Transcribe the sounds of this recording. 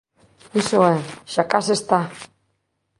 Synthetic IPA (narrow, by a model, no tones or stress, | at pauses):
isoeʃakasest̪a